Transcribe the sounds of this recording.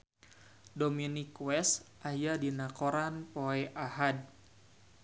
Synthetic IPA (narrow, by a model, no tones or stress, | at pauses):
dominikwɛsʔajadinakoɾanpoɛʔaɦad̚